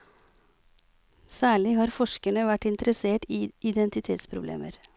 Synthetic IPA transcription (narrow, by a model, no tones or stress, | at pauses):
sæːɭɪhɑːɾfɔʂkəɳəʋæʈːɪnt̪ɾəseːʈiːɪd̪ɛnt̪ɪt̪ʰeːt̪spʰɾʊblḛːmə̰ɾ